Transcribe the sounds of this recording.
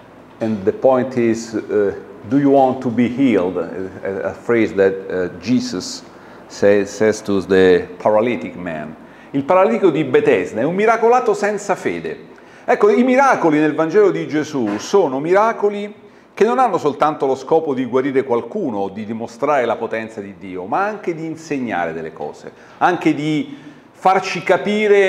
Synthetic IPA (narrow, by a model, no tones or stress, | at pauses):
ɛ̃nd̪əpɔ̃jnt̪iz | d̪ujuwɔ̃nt̪ubihild̪ə̰fɾezd̪ɛt̪d͡ʒiːsɔs | ɛsɛzt̪uðəpʰaɾalit̪ikmɛ̰̃n | ilpaɾalit̪ikod̪ibet̪ɛznɛumːiɾakolaːt̪osɛnt̪safḛːd̪ḛ | ɛkːoimiɾaːkolinelvand͡ʒɛːlod̪id͡ʒezusoːnomiɾaːkoli | k̟enːonanːosolt̪ant̪oloskɔːpod̪iɡwaɾiːɾekwalkuːnod̪id̪imost̪ɾaːɾelapot̪ɛnt̪sad̪id̪ːiːomaaŋk̟ed̪iːnseɲːa̰ːɾed̪ḛlːḛkɔ̰ːz̥ḛ | aŋk̟ed̪i | fart͡ʃikapiːɾe